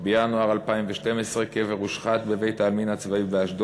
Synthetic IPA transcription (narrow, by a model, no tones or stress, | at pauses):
bejanoaʁalpaimveʃtemesʁekeveʁuʃχat̪beve̞jt̪aːlminat͡svaibeaʃd̪o